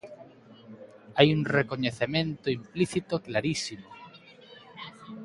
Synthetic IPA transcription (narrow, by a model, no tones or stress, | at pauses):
ajuŋrekoɲeθemẽnt̪oimpliθit̪oklaɾisimo